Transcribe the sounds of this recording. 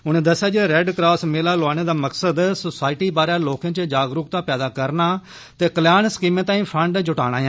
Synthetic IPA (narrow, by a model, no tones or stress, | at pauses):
ʊnẽːd̪əsːjaːd͡ʒiɾɛɖkɾaːsmeːlaːlʊaːɽ̃eːd̪aːməksəd̪sʊsaːɪʈiːbaːɾaːloːkãːt͡ʃəd͡ʒaːɡɾʊkt̪ãːpɛːd̪aːkəɾnaː | t̪eːkəljaːnskiːmẽːt̪ãːĩːpʰəɳɖd͡ʒʊʈa̰ːɽ̃a̰ːjãː